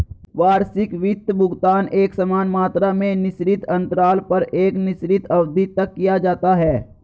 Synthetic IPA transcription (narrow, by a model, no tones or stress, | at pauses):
ʋaːɾsɪkʋɪt̪ːbʱʊɡt̪aːneːksɐmaːnmaːt̪ɾamẽnɪʃɾɪt̪ʰɐ̃nt̪ɾaːlpɐɾeːknɪʃɾɪt̪ɐʋd̪ʱit̪ɐkːijad͡ʒaːt̪aɦɛː